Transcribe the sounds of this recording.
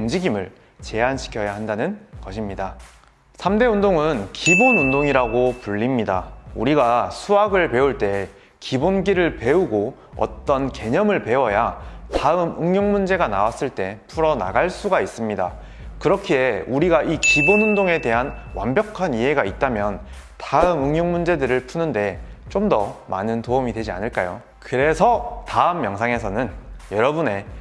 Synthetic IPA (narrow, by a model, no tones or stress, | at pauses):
umd͡ʑiɡimɯɭ | t͡ɕe̞anɕʰi̥kʰjʌjaɦandanɯnkʌɕʰimɲida | sʰamde̞undoŋɯnkibonundoŋiɾaɡopuʎːimɲida̰uɾiɡasʰuaɡɯɭpe̞uɭt͈e̞ | kibonɡiɾɯɭpe̞uɡo | ʌ̰t͈ʌnke̞ɲʌmɯɭpe̞wʌjataɯmɯŋɲjoŋmund͡ʑe̞ɡanawas͈ɯɭt͈e̞pʰuɾʌna̰ɡaɭs͈uɡais͈ɯmɲida̰ | kɯɾʌkʰie̞uɾiɡaʔikibonhundoŋe̞te̞ɦanwa̰mbjʌkʰaniɦe̞ɡait̚t͈amjʌn | taɯmɯŋjoŋmund͡ʑe̞dɯɾɯɭpʰunɯnde̞ | t͡ɕ͈omdʌma̰nɯntoɯmidwe̞d͡ʑia̰nɯɭk͈ajo̰ | kɯɾe̞sʰʌtaɯmːjʌŋsʰaŋe̞sʰʌnɯnjʌɾʌbune̞